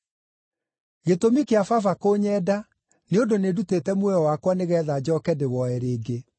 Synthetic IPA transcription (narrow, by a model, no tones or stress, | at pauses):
ɣetomikeafafakoɲɛːda | neondonedutetɛmwɛɾɔwakwaneɣɛðad͡ʑɔːkɛdewɔɛɾeːɡe